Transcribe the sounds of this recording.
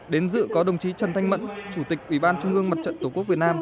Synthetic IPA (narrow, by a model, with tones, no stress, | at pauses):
ɗe˨˦nzɨ̰˧˨kɔ˨˦ɗə˨˩wŋ͡mt͡ɕi˨˦t͡ɕə˨˩nt̪ʰa˧ŋmə̰˧˨nt͡ɕu˧˩t̪ï˨˩k̟̚ʔwi˧˩ɓaː˧nt͡ɕʊ˧ŋ͡mʔɨ˧əŋma˨˩t̚t͡ɕə̰˧˨nt̪o˧˩ku˦˥k̚vət̚naː˧m